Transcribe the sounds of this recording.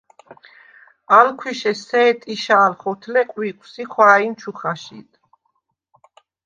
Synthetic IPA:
alkʰwiʃɛsɛːt̪ʼiʃaːlχɔt̪ʰlɛqʼwiqʼwsiχwaːint͡ʃʰuχaʃḭt̪ʰ

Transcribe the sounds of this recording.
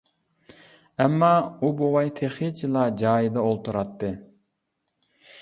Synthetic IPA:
ɛmːɑubowɑjt̪ʰeχɪt͡ʃʰilˠɑd͡ʒɑːjid̪ɛolˠt̪ʰuɾɑt̪ʰːɨ

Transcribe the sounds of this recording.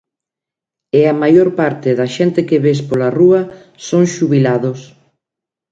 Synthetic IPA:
eamajoɾpaɾt̪ɪðɐʃent̪ɪkeβespolaruɐ | soŋʃuβilaðos

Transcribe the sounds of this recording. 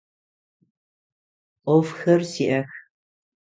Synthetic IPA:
ʔʷɔfxɐrsiːʔɐx

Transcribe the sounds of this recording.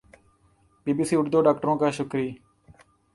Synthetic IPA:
biːbiːsiːʊɖd̪oːɖaːkʈəɾõːkaːʃʊkɾiː

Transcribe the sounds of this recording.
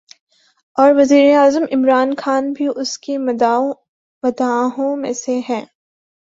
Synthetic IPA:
ɔːɾʋɐziːɾeaːzəmɪmɾaːnxaːnbʱiʔʊski | ʋɐd̪aːɦõmḛ̃seɦɛ̃ː

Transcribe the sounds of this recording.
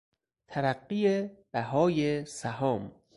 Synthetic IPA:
t̪ʰæɾæɢːiːeb̥æɦɒːjesæɦɒːm

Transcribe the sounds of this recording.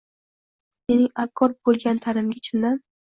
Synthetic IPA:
me̞nɪŋakʰːɒɾbolˠɡʲant̪ʰaɾɪmɡʲat͡ʃʰɪnd̪an

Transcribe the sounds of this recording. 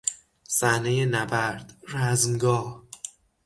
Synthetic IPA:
sæhnejenæbæɾd̪̥ɾæzmɡɒːh

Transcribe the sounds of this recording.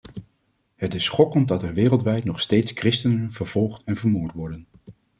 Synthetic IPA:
hətɪsχɔkən̚dɑtɛɹʋɪːrəlˠtʋɛjtnɔχstejtskrɪstənənv̥əɹv̥ɔlˠχtɛnvəɹmoːɹtʋɔɹdən

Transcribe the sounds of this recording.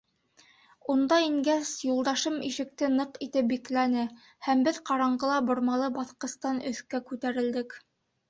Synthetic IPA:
und̪ɑiŋɡæsjulˠd̪ɑʃɤmiʃɘ̆k̚t̪ɘnɤqit̪ɘp̚biklænɘ | hæmbɘðqɑɾɑɴɢɤ̆lˠɑbŏɾmɑlˠɤbɑθqɤ̆st̪ɑnɵ̆θkækʉt̪æɾɘ̆ld̪ɘk

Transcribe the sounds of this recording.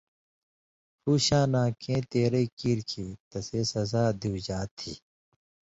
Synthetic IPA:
puːɕãːnãːkẽːt̪eːɾeikiːɾkʰiːt̪ɐseːsɐzaːd̪iwd͡ʑaːt̪ʰḭː

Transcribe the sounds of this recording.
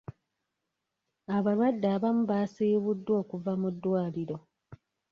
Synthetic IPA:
aβaɾwadːaːβamuβasiːβudːwo̞ːkuvamudːwaːliɾo̞

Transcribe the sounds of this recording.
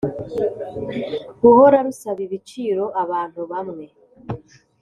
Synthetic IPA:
βuhoɾaβisaβiβit͡ʃiːɾo̞ʔaβaːnhuβamŋe̞

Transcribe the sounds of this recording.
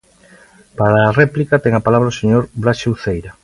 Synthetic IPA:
paɾaːrɛplikat̪ɛŋapalaβɾaoseɲoɾbɾaʃewθejɾa

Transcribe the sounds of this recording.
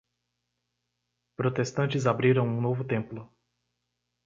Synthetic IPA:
pɾot̪est̪ɐ̃nt͡ʃɪzabɾiɾɐ̃w̃ũnovʊt̪ẽmplʊ

